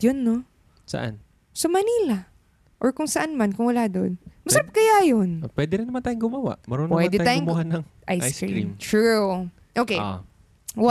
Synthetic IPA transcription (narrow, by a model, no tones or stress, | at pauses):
jonːo | sɐ̰ʔa̰n | sɐmɐniːla | ʔoɹkʊŋsɐʔanmankʊŋwɐlaːd̪onmɐsɐɾap̚kɐjaːjonpwɛd̪ɪɾɪnɐmant̪aːjʊŋɡʊmɐwa̰ʔmɐɾonpwɛd̪ɛat̪aːjŋmhanɐŋʔajskɾḭɾimʃuɹ | ʔokej | wa